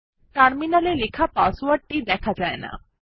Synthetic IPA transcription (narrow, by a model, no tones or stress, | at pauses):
ʈaːɽminalelɪkʰapaːsuʋəʈːid̪ɛːkʰad͡ʒaːḛna̰ː